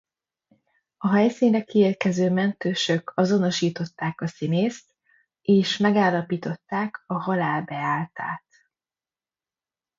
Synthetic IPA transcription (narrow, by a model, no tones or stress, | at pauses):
ɒɦɛjsiːnrɛkieːrkɛzøːmɛnt̪øːʃø̞kɒzo̞no̞ʃiːt̪o̞t̪ːaːkɒsineːst̪ | eːʃmɛɡaːlːɒpiːt̪o̞t̪ːaːkɒɦɒlaːlbɛaːlt̪a̰ːt̪